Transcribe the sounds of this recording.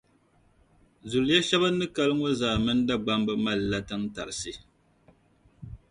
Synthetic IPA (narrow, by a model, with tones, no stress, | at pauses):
zu˨ljɛ˦ʃɛ˦ba˦nɨ˦ka˦lɨ˦ŋo˦zaː˨mɨ˦n˦da˦ɡ͡ba˦mbɨ˦ma˦lːa˦tɨ˦ŋta̰˨ɾɨ˨sɨ˦